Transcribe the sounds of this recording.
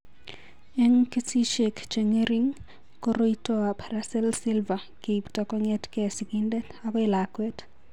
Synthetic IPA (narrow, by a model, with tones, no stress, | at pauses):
e˦ŋke˦si˦ʃekt͡ʃe˨ŋe˦ɾi˦ŋ | ko˦ɾo˦itɔa˨pʰaɾasɛ˦lsɪ˦lva˨ | ke˨iptɔ˨kɔ˦ŋɛ˦tkɛ˨siɡindɛ˦tabɔ˦ɪ˨lakwɛ˦t